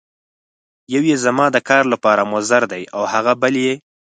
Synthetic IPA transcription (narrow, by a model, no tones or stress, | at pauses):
jawjezamɑd̪əkɑɾlapɑɾamʊzaɾd̪ajawhaɣabəlje